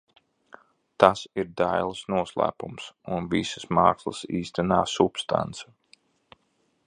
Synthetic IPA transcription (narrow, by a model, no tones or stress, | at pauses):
t̪asiɾd̪ajlˠsnuɔslˠæ̰ːpumsunvisə̥smɑːkslˠə̰siːst̪anaːsupst̪a̰nt̪sḁ